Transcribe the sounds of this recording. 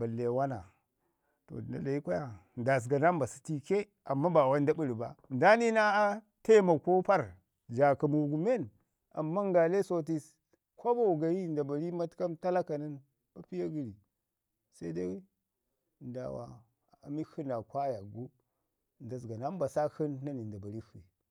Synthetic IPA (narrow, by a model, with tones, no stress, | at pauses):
ba˨le˨wa˦na˨ | to̰˨a̰˨la˨ji˦kʷa˦ja˨n˨da˨s̬ɡa˨na˦m˦ba˨si̥˦ti˦ke˦ | a˨mːa˦ba˨wa˦n˦da˦bu˦ɾi˨ba̰˦n˨da˦ni˦na˦ | te˦ma˨ko˦pa˦ɾ | d͡ʒa˨ka˨mu˨ɡu˨me˦˨n | a̰˨mːa˦ŋɡa˨le˦so˦˨t̬i˦s | kʷo˦ba˦wu˨ɡa˨ji˦nda˨ba˨ɾi˦ma˦tka˦mta˦la˦ka˨ni˦n | ba˦pi˦ja˦ɡi˦ɾi˨ | sa˦i˦da˦˨ | nda̰˨wa̰˨ | a̰˨mi˦hu˦na˨kʷa˦ja˨ɡu˦˨ | n˨da˨s̬ɡa˨na˦m˦ba˨sa˦hi˦nːa˦ni˨n˨da˨ba˨ɾi˦hu˨i˨